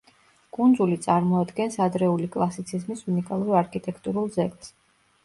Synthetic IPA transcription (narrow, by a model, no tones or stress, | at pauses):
ɡ̥und̪zulit̪sʼaɾmɔad̪ɡɛnsad̪ɾɛulikʼlˠasit̪sʰizmisunikʼalˠuɾiaɾkʰit̪ʼɛkʰt̪ʼuɾulˠzɛkʼt̪s